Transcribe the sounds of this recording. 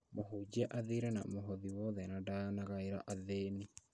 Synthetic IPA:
moɦod͡ʑiɛʔaðiɾɛnamoɦɔðiwɔðɛnadanaɣaeɾa̰ʔaðeːni

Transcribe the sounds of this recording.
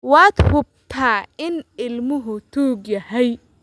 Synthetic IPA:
wɑːd̪hʊb̚t̪ʰaːɪnɪlmʊɦʊt̪ʰuːɡjɐhɛj

